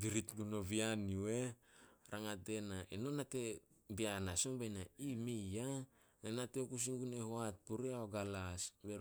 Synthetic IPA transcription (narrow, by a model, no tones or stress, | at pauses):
biɾitɡuno̞βianieɾʔaŋate̞naʔeno̞nate̞ | bianasombajnaimija | nenateokus̬iŋɡunehuat̚puɾiaoɡalasbeɾ